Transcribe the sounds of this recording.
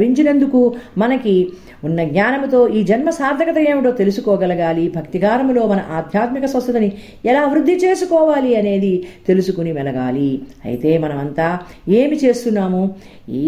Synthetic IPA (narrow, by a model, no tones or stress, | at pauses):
iɲt͡ʃinend̪ukumɐnɐki | unːɐɡɲaːnɐmt̪o̞ːʔiːd͡ʒɐnmɐsaːɾd̪ʱɐkɐt̪ɐeːʋiʈo̞ːt̪e̞lusukɔːɡɛlɐɡaːlibʱɐkt̪iɡaːɾɐmlo̞ːmɐnɐʔaːd̪ʱjaːt̪mikɐsɐ̃st̪ʰɐt̪ɐni | ɛlaːʋiɾud̪ʱːit͡ʃe̞ːsukɔːʋaːliɐne̞ːd̪it̪e̞lusukunimɛlɐɡa̰ːliɐ̰jḭt̪e̞ːmɐnɐmɐnt̪aː | e̞ːmit͡ʃe̞ːst̪unːaːmu